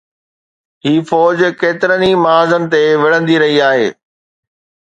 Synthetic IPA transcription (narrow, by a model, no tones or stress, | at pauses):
ɦiːfɔːd͡ʑkeːt̪ɪɾənimaːzənɪ̆t̪eʋɪɽə̃nd̪iɾɐɦiaːɦeː